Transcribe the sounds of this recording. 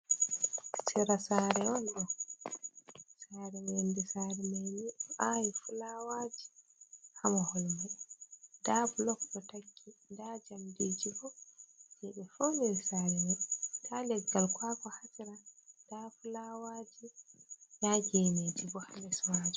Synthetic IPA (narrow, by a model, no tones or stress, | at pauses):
siɾasaɾɛɔnɗɔ | saːɾɛwendisaːɾɛmeniɗɔʔajifulawaːd͡ʒi̥ | hamahɔlmɛ | dablɔkdɔtakʰːindad͡ʒamdid͡ʒibɔd͡ʒɛɓɛfomiɾisaːɾɛmɛtʰalɛɡːalkwakɔhasiɾadafulawaːd͡ʒijad͡ʒened͡ʒibɔhalɛswad͡ʒu